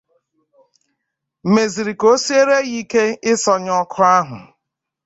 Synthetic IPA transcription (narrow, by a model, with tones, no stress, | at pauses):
me˨zi˨ɾi˨ko˦si˦e˦ɾe˦ɣi˦ke˦ɪ˦sɔ˨ɲɔ˦kʰʊ˦a˦ɦʊ̰˨